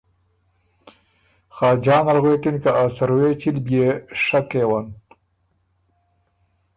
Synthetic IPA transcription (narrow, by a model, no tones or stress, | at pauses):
xɑːd͡ʒɑːnalɣwekinkaʔasaɾweːt͡ʃilbʲjeʂakeːwan